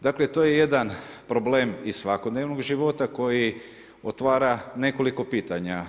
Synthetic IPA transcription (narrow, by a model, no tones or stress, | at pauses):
d̪aːklet̪ojeje̞d̪anpɾoblemissʋakod̪neʋnoɡʒiʋo̞t̪ako̞ji | ot̪ʋaːɾane̞ko̞liko̞piːt̪aɲa